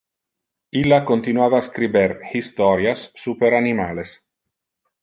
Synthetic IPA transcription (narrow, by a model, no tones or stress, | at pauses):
ilːakont̪inuaːvaːskɾiberhist̪ɔɾjasːupeɾanimaːles